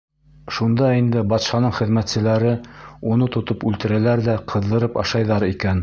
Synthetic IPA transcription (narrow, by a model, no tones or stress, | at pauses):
ʃund̪ɑind̪ɘbɑt̪ʃɑnɤɴχɘ̆ðmæt̪sɘ̆læɾɘunɤt̪ŏt̪opʉlt̪ɘ̆ɾælæɾðæqʰɤ̆ðːɤ̆ɾɤpɑʃɑjðɑɾikæn